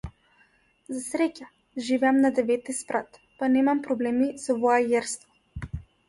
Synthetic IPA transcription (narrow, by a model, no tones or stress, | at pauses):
zasɾɛca | ʒivɛamnad̪ɛvɛt̪ispɾat̪ | panɛmampɾɔblɛmisɔvɔajɛɾst̪vɔ